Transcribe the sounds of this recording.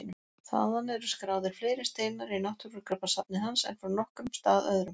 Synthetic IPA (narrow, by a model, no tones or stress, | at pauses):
ɪnʏ | θa̰ðanɛɾʏ̥skɾaːwðɪɾ̥fleːjɾɪst̪eːjmaɾinaht̪ʏɾʏɾkɾœpːasap̚nɪhansɛ̰nfɾawnɔhkʏmst̪aːðœ̰ðɾʏm